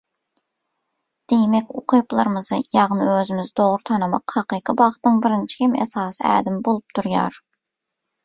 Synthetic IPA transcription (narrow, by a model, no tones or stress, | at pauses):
d̪̥ejmɛkʲoqʰɨjplˠɑɾɨmɨzɨjɑʁnɨøzɪmɪzd̪oʁɾut̪ʰɑnɨmɑqhɑqɨːqʰɨbɑχt̪nɨŋbɪɾɪnt͡ʃʰi̥kʲʰimɛ̰sɑːsæ̰ːd̪ɪmbolˠup̚t̪ʰuɾjɑ̰ɾ